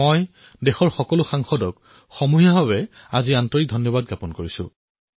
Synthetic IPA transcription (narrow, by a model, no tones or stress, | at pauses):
oj | dexɔɹxɔkɔlʊxaŋxɔdɔk | xɔmuɦijaɦɔbɛ | aziantɔɹik̚dʱɔnjɔbad̚ɡapɔnkoɹisʊ̰̃